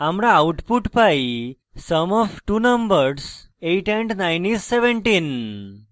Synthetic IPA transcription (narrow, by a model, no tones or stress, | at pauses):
amɽaːuʈpuʈpai | səmɔfʈuːnəmbəɾseʈɛ̃ɳɖnajnisːeʋẽɳʈiːn